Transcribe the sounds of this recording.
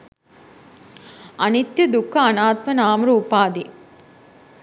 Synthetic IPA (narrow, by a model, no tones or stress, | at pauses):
ɐnit̪jɐd̪ukːɐɐnaːt̪mɐnaːmɾuupaːd̪i